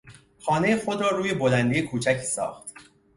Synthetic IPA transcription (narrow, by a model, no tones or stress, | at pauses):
xɒːne̞jexo̞d̪ɾɒːɾuːje̞bo̞lænd̪ejekʰuːt͡ʃʰæcʰsɒ̰ːxt̪